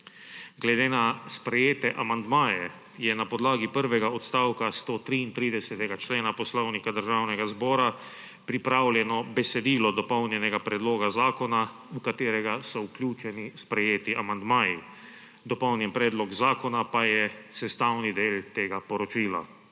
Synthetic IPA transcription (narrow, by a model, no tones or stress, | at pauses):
ɡlɛd̪eːnaspɾɛjeːt̪ɛʔamand̪maːjɛ | jɛnapɔd̪laːɡipəɾʋɛɡaɔt̪st̪aːwkast̪ot̪ɾiːnt̪ɾiːd̪ɛsɛt̪ɛɡat͡ʃleːnapɔslɔwnikad̪əɾʒaːwnɛɡazbɔːɾa | pɾipɾawljɛnɔbɛsɛd̪iːlɔd̪ɔpɔwnjɛnɛɡapɾɛd̪loːɡazaːkɔna | ukat̪eːɾɛɡasɔuklʲjuːt͡ʃɛnispɾɛjeːt̪iʔamand̪maːji | d̪ɔpɔwnjɛmpɾɛːd̪lɔɡzaːkɔnapajɛsɛst̪aːwnid̪eːlt̪eːɡapɔɾɔt͡ʃiːla̰